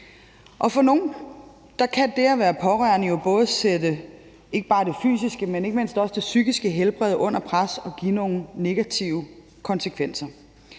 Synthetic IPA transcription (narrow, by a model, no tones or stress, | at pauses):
ʔɒ̽fɒ̽no̝ːn̩ | d̥ɑ̈kʰæd̥eɐʋæːɐpʰɒ̽ʁœɐnəjo̝b̥ɔ̽ːð̞ˠsedə | e̝ɡ̥əb̥ɑ̈ːd̥e̝fy̰ːs̬isɡ̥əmene̝ɡ̥əme̝n̰sd̥ɒ̽sd̥e̝syɡ̥isɡ̥əɦelb̥ʁɛð̞̰ˠʔɔ̽n̰ɐpʰʁasɒ̽ɡ̥ino̝ːn̩ne̝ɡ̥æt͡sʰiʊə | kʰɒ̽nsəkʰʋen̰sɐ